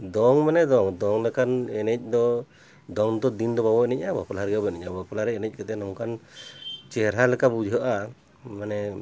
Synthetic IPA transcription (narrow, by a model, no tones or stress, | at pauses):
d̪ɔŋmanɛd̪ɔŋd̪ɔŋlɛkanɛnɛc̚ˀd̪ɔ | d̪ɔŋd̪ɔd̪ind̪ɔbabɔɛnɛc̚abapɔlaɾɡɛbɛnɛɲabapɔlaɾɛɛnɛc̚ˀkat̪ɛnɔŋkan | t͡ʃɛɾalɛkabud͡ʒʱɔʔa | manɛ